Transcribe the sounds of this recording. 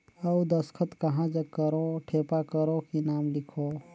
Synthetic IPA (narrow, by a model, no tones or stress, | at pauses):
ɐud̪ɐskʰət̪kɐɦãd͡ʒɐkəɾoʈʰeːpakəɾokinaːmlɪkʰoː